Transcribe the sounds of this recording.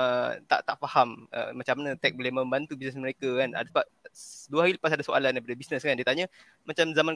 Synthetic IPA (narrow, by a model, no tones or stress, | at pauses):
ət̪a̰ʔt̪aʔfahamə̰mat͡ʃamːanə̃t̪ɛk̚bolɪhmə̃mbant̪ubisnɛsməɾekakana̰dasəbap̚duaɦaɾiləpasadasoʔa̰landajpadabisnəskandiət̪aɲə̃ | mat͡ʃamzaman